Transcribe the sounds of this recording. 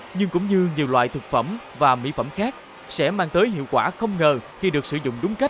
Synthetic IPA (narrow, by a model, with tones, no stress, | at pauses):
ɲɨ˧ŋkʊ̰˧˥ŋ͡mɲɨ˧ɲi˨˩əwlwa̰ː˧˨jt̪ʰɨ˨˩k̚fə̰˧˩m | vaː˨˩mḭ˧˥fə˧˩mxaː˦˥k̚ | sɛ̰˧˥maː˧ŋt̪əː˨˦jɦḭ˧˨əwkwaː˧˩xə˧wŋ͡mŋəː˨˩xi˧ɗɨ˨˩ək̚sɨ˧˩zʊ̰˧˨ŋ͡mɗʊ˨˦ŋ͡mka˦˥t̟̚